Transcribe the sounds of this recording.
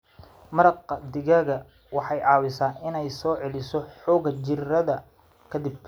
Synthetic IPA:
mɐɾɑqd̪ɪɣɐɣɐ | wɑħɑjʕɑːwɪsaːnɪnɛjsɔːʕɛlɪsɔħɔːɣɐt͡ʃɪrɐðɐ | kʰɐd̪ɪb̚

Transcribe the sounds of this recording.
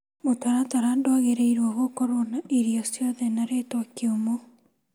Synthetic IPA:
motaɾataɾandoaɣeɾeiɾwaɣokɔɾɔnaʔeɾiɔsjɔðɛnaɾetwakeomo

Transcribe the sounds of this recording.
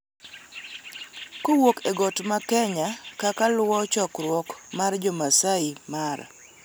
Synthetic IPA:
kowokeɡɔtmakɛɲakakalwɔt͡ʃɔkɾwɔkmard͡ʒɔmasaimar

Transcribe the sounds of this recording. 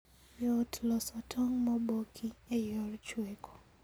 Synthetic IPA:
jɔtlɔsɔtʰɔŋmɔbokʰiejɔrt͡ʃweko̥

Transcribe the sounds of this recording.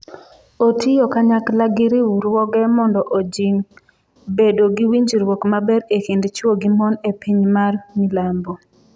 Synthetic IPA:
otijokaɲaklaɡɪɾiwuɾwɔɡɛmɔndɔʔod͡ʒiŋ | bedoɡiwiɲd͡ʒiɾwɔkmabɛɾekindt͡ʃwoɡimɔnepʰiɲmarmilambɔ

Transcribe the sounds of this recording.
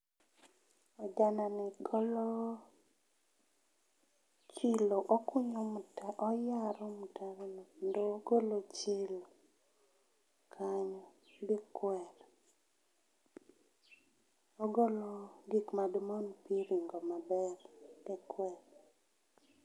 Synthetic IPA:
ɔd͡ʒananɪɡɔlɔ | t͡ʃɪloʔokʊɲomutaʔɔjaɾɔmutaɾolondoːɡolot͡ʃɪlo | kʰaɲɔ | dikwɛɾ | oɡoloɡikmadmonpieɾiŋɡomabɛrdɛkwɛɾ

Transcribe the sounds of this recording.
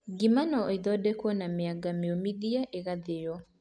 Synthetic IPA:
ɡimanɔiðɔdekwɔnamɪaɡamiomidiaʔeɣaðɪjɔ

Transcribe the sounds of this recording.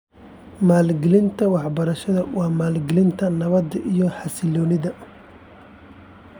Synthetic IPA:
maːlɡɪlɪnt̪ʰɐwɑħbɐɾɐʃɐðɐwɑːmaːlɡɪlɪnt̪ʰɐnɐβɐd̪ɐʔijɔħɑsɪlɔːnɪðɐ

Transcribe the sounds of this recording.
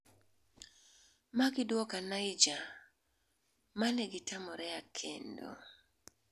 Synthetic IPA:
maɡɪdwɔkanajd͡ʒa | manɛɡɪtamɔɾɛakʰḛndo̰

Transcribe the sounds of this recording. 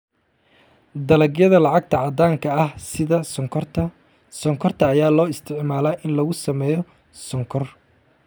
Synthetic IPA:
d̪ɐlɐɡjɐðɐlɑʕɑɡ̚t̪ʰɐʕɑd̪aːŋkʰɐɐhsɪðɐ | sɔŋkʰɔrt̪ʰɐːjaːlɔːɪst̪ʰɪʕmaːlaːʔɪnlɐɣʊsɐmɛːjɔ | sɔŋkʰɔr

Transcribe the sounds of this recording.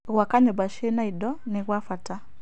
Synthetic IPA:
ɣwakaɲɔbaʃɛnaidɔnɛɣwafata

